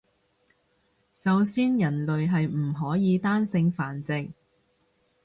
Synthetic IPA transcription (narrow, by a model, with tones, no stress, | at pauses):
sɐ˨wsiː˥njɐ˨˩nlɵ˨ɥɦɐ˨jm̩˨˩ɦɔː˨˥jiː˨˧t̪aː˥nsɪ˧ŋfaː˨˩nt͡sɪ˨k̚